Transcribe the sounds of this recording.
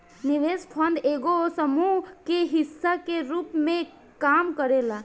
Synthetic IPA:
niʋespʰənd̪eɡosəmuɦkeɦisːakeɾupmẽ | kamkəɾela

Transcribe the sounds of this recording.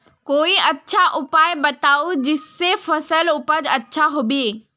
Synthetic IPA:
koːiɐtːʃʰaʔʊpaːɪbɐt̪aːod͡ʑɪsːefɐsəlʊpəd͡ʑɐtːʃʰaɦobieː

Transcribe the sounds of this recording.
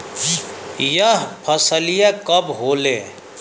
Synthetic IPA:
jəɦpʰəsəlijakəbɦoːleː

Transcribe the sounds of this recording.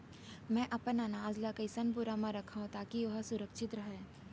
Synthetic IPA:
mɛ̃ʔɐpnanaːzlakɐɪsɐnp̬ʊɾamãɾɐkʰaɦõt̪aːkiʋɐɦsʊɾəkʃɪt̪ɾɐɦɛː

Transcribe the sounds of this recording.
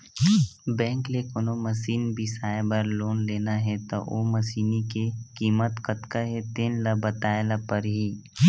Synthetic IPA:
bɛ̃ːŋklekonoməsiːnbʱisaːebəɾloːnleːnaɦɛt̪o̰ʔo̰ːmɐsiːnikekiːmət̪kət̪kaɦɛt̪eːnlɐbət̪aːlapəɾɦiː

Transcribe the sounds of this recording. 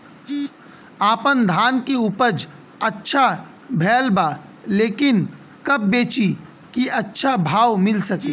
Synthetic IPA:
aːpənd̪ʱaːnkeuːpəɾd͡ʒ | ɐtːʃʰa | bʱɛːlbaleːkɪn | kɐb̚ːeːt͡ʃi | kiɐtːʃʰabʱaːwmɪlsəke

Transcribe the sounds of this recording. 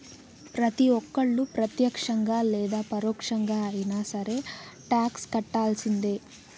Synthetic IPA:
pɾɐt̪iʋɔkːɐɭːupɾɐt̪jɐkʂɐŋɡaːlɛːd̪aːpɐɾɔːkʂɐŋɡaːɐjinaːsɐɾe̞ːʈaːkskɐʈːaːlsind̪e̞ː

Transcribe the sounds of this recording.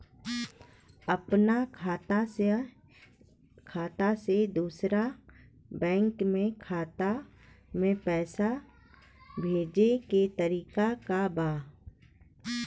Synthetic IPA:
əpnakʰat̪a | kʰaːt̪ased̪uːsɾa | bɛ̃ːŋkmẽkʰaːt̪a | mẽpɛːsa | bʱeːd͡ʒeket̪əɾiːkakabaː

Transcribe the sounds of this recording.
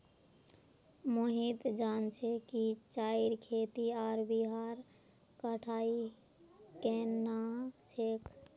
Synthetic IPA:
moɦit̪d͡ʒant͡ʃʰɛkit͡ʃaiɾkʰet̪iaɾbiɦaɾ | kəʈʰai | kenat͡ʃʰek

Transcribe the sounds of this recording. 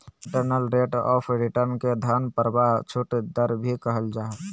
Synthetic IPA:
ɪ̃ɳʈəɾnəlɾeːʈɔ̰ːpʰɾɪʈəɾnked̪ʱanpəɾbat͡ʃʰʊʈd̪əɾbʱikəɦəld͡ʒaːɦe

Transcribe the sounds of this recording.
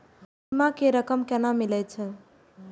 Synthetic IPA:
imakeɾəkəmkɛnamilɛt͡ʃʰə

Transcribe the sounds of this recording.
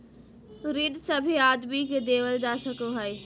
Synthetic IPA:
ɾiɖsɐbʱiaːd̪miked̪eːʋəld͡ʒaːsəkoɦae

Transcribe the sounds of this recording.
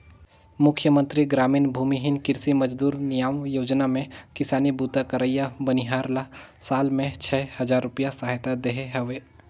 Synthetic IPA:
mʊkʰjəmə̃nt̪ɾiɡɾaːmiːnbʱuːmiɦɪnkɪɾsiməd͡ʒd̪uːɾnijaːʋjoːd͡ʒnamẽkɪsaːnibuːt̪akəɾəijabəniɦaːɾla | saːlmẽt͡ʃʰɛːhɐd͡ʒaːɾːʊpijasaːɦɪt̪ad̪eɦeɦɐʋeː

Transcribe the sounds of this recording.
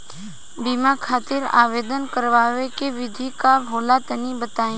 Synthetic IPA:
biːmakʰaːt̪ɪɾa̰ːʋeːd̪ənkəɾʋaːʋekeʋɪd̪ʱikaɦoːlat̪ənibət̪aːẽː

